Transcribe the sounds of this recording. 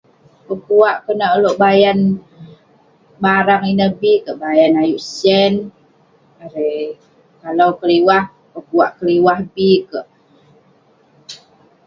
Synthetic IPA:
pəkuwaʔkənəʔəloʔbajan | baɾaŋinəhbikəʔbajanajuʔsɛn | aɾe | kalawkəliwah | pəkuaʔkəliwahbikəʔ

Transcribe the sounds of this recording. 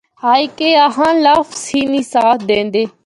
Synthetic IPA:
haːikeːəɦãːlaːfsiːniːsaːt̪ʰd̪ẽːnd̪eː

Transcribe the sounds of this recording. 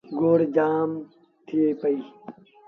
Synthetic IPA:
ɡoːɾd͡ʑaːm | t̪ʰieːpɐiː

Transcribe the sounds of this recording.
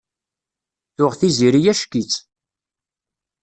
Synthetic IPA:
θʊʁθiziɾijæʃkit͡sː

